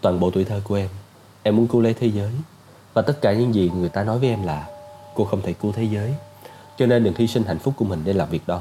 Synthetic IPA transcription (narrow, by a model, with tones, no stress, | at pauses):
t̪waː˨˩nɓo̰˧˨t̪wi˧˨˩t̪ʰəː˧ku˧˩əʔɛ˧m | ʔɛ˧mːu˨˦ənku˨˦le˨˦jt̪ʰe˨˦zəː˨˦j | vaː˨˩t̪ə˦˥t̚kaː˧˩ɲɨ̰˧˥˦ŋzi˨˩ŋɨ˨˩əjt̪aː˧nɔ˨˦jvəː˨˦ʔɛ˧mlaː˨˩ko˧xə˧wŋ͡mt̪ʰe˧˩ku˨˦t̪ʰe˨˦zəː˨˦j | t͡ɕɔ˧ne˧nɗɨ˨˩ŋt̪ʰi˧sï˧ŋ̟ɦa̰˧˨jŋ̟fʊ˦˥k͡p̚ku˧˩əmï˨˩ŋ̟ɗe˧nlaː˨˩mvi˨˩ək̚ɗɔ˨˦